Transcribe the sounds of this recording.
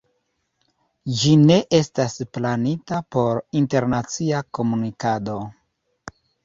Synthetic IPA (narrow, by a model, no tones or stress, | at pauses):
d͡ʒine̞ʔe̞stasplanitapo̞ɾinte̞ɾnat͡siako̞munikado̞